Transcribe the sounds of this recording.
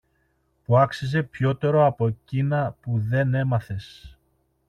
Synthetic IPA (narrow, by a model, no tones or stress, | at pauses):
puɐksize̞pço̞t̪e̞ɾo̞ɐpo̞cinɐpuðe̞ne̞mɐθe̞s